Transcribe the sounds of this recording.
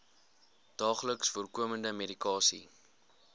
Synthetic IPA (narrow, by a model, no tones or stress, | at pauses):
d̥ɑːχləksfuərkuəməndəmedikɑːsḭ